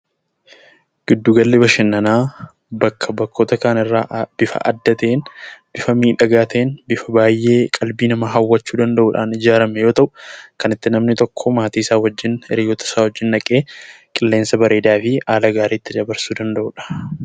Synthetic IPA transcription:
ɡ̥ɪd̪ːuːɡɐlːebɐʃɪnːɐnaː | bɐkʰːɐbɐkːoːt̪ɐkaːnɪrːa̰ːʔb̥ɪfɐ̰ʔɐ̰d̪ːɐt̪eːnb̥ɪfɐmiːᶑɐɡaːt̪ʰɐenbɪfɐbaːjːe̞ːkʼɐlbiːnɐmaɦɐwːɐt͡ʃːuːd̪ɐnd̪ɐʔuᶑaːnɪd͡ʒaːɾɐmɛjo̞ːt̪ɐʔʊkɐnɪt̪ːɪnɐmnɪt̪ɔkʰːɔmaːt̪iːɪsaːwɐd͡ʒːɪnɛɾiːɡɔt̪ɐ̥saːwɔd͡ʒːɪnːɐkʼe̞ː | kʼɪlːe̞ːnsɐbɐɾe̞ːd̪aːfɪaːlɐɡaːɾiːt̪ːɪd̪ɐbɐɾsuːd̪ɐnd̪ɐʔʊᶑɐ̥

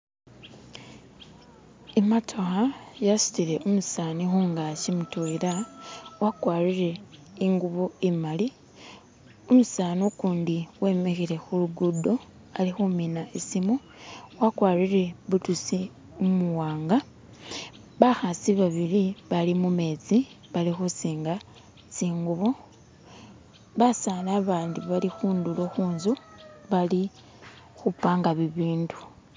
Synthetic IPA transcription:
ematʰo̞xajasu̥tiɾe̞ʔomusaːnixuŋɡacimutoiɾawakwaːriɾe̞iŋɡuβoimali | omusaːnukuːndiwe̞mexiɾe̞xuluɡudo̞ | alixuminaesimu | wakwaːriɾe̞βutusi | umuwaːŋɡa | βaxasiβaβiɾiβalimume̞ːt͡si | βalixusiːŋɡa | t͡siːŋɡuβo | βasalaːβaːndiβalixuːndulo̞xuːnzo | βali | xupaːŋɡaβiβiːndu̥

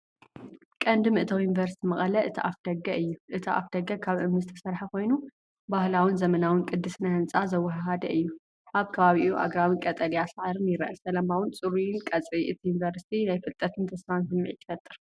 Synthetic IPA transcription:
kʼɐnd̪mɨʔt̪ʰɐwjunvɐɾsi̥t̪ʰimɐχʼɐlɐʔɨt̪ʰiʔafd̪̥ɐɡːɐʔɨjːuʔɨt̪ʰia̰fd̪̥ɐɡːɐkʰaβʔɨmnɨzɨt̪ʰɐsɐɾħakʰo̞jnu | bahlawɨnzɐmɐnawɨnkʼɨd̪ːɨsnahɨnt͡sʼazɐwːɐɦɦad̪ɐʔɨjːu | ʔaβkʰɐβaβiʔuʔa̰ɡɾawinkʼɐt̪ʼɐljasʕaɾɨnjɪɾʔɐsɐlɐmawɨnt͡sʼɨɾujɪnkʼɐt͡sʼiʔɨt̪ʰijunvɐɾsi̥t̪ʰinajfɨlt̪ʼɐt̪ʰɨnt̪ʰɐsfansɨmːɨʕḭt̪ʰːɨ̥fɐt̪ʼːɨɾ

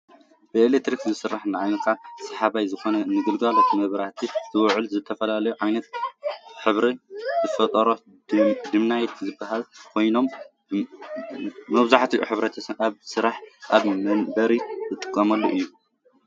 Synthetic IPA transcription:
b̥ɨelek̚t̪ɾikzɨsɨrːaħnaʕajnɐkʰasɐħaβajzɨxo̞nɐnɨɡɨlɡalot̪ʰmɐβɾat̪ʰizɨwʕɨlzɨt̪ʰːɐfɐlalɐjuʕajnɐt̪ħɨβɾizɨfɐt̪ʼɐɾo | d̪ɨmnajɛt̪zɨbːaɦalkʰo̞jno̞m | mɐβzaħt̪ʰiʔṵħɨβɾɐt̪ʰɐaβsɨɾaħʔaβmɐnbɐɾizɨt̪ʼɨkʼːɐmɐlːoʔɨjːu

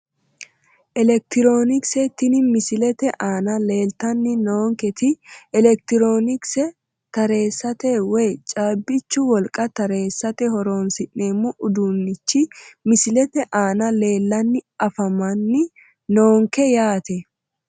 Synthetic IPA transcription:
ʔɛlɛk̚t̪ɪɾoːnɪksɛt̪ɪnɪmɪsɪlɛt̪ɛʔaːnɐle̞ːlt̪ɐnːɪnoːŋkɛt̪ɪɛlɛk̚t̪ɪɾo̞ːnɪksɛ | t̪ɐɾe̞ːsːɐt̪ɛwɛjt͡ʃʼaːbːɪt͡ʃːʊwɔlkʼɐt̪ɐɾe̞ːsːɐt̪ɛhɔɾo̞ːnsɪʔːeːmːʊʔʊd̪unːɪt͡ʃːɪmɪsɪlɛt̪ɛʔaːnɐle̞ːlːɐnːɪɐfɐmɐnːɪ | noːŋkɛjaːt̪ɛ

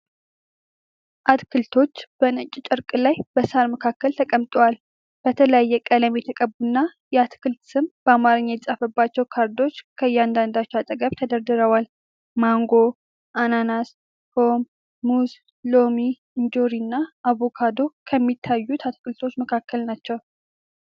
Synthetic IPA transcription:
ʔat̪kɨlt̪ʰo̞t͡ʃːb̥ənɨt͡ʃʼːt͡ʃʼɨɾkʼɨlajbəsaɾməkʰakːəlt̪ʰəkʼəmt̪ʼowal | b̥ət̪ʰələjajːɛkʼələmjɛt̪ʰəkʼəbːunːajɛat̪kʰɨlt̪sɨmb̥əamaɾɨɲːaj̪sʼafəbːat͡ʃːɛwkʰaɾd̪o̞t͡ʃːkʰəjːɛand̪and̪at͡ʃːɛat̪ʼəɡəβt̪ʰəd̪əɾd̪ɨɾəwal | maŋɡo̞ | ʔananas | fo̞mː | uz | lo̞mi | ɨnd͡ʒo̞ɾinːaʔaβo̞kʰad̪o̞kʰəmːit̪ʰːajːut̪ʰat̪kɨlt̪ʰo̞t͡ʃːməkʰakːəlnat͡ʃːɛw

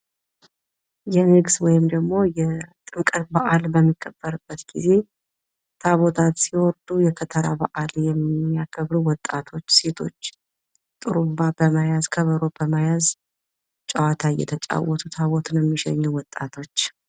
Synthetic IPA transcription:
jɛnɨɡswɔjɪmd̪əɡmo̞jɛt̪ʼɨŋkʼət̪baʔalbəmːikʼːəb̥ːəɾɨbːət̪ɡ̥ize̞ | t̪ʰaβot̪ʰat̪siwɔɾd̪ujɛkʰət̪ʰəɾabaʔaljɛmːijakʰəβɾuwɔt̪ʼːat̪ʰo̞t͡ʃːse̞t̪ʰo̞t͡ʃː | t̪ʼɨɾumabəmajazkʰəβəɾob̥əmajaz | t͡ʃʼawat̪ʰajɛ̰t̪ʰət͡ʃʼa̰wɔt̪ʰut̪ʰaβɔt̪ʰunjɛmːiʃɛ̰ɲːuwɔt̪ʼːat̪ʰo̞t͡ʃː

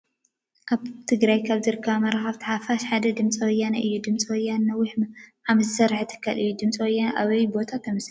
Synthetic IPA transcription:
ʔaβt̪ʰɨɡɾajkʰaβzɨɾɨkʰːɐβamɐɾaxɐβt̪ʰħafaʃħad̪ɐd̪ɨmt͡sʼiwɔjːanaʔɨjːud̪ɨmt͡sʼiwɔjːanːɐwːɪħmʕamɐzɨsɐɾħt̪ʰɨ̥kʰːalɨjːud̪ɨmt͡sʼiwɔjːanʔaβɐjbo̞t̪ʰat̪ʰːɐmɐsl

